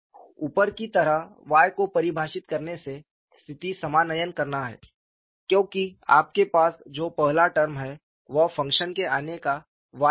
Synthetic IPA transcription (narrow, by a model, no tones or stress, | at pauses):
uːpəɾkit̪ɐɾəɦʋaːjkopɐɾɪbʱaːʃɪt̪kɐɾnese | st̪ʰɪt̪isɐmaːnəjənkɐɾnaɦɛ̰ː | kjõːkia̰ːp̚kepaːsd͡ʒoːpɐɦlaʈəɾmɦɛ | ʋɐɦfɐ̃ŋkʃənkeaːneka | ʋaː